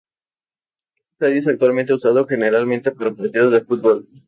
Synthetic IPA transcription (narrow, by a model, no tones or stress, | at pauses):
est̪e̥saðjes̬ak̚t̪walmẽnt̪eusaðo̞xe̞ne̞ɾalment̪e̞paɾopaɾt̪iðozðefut̪̚bol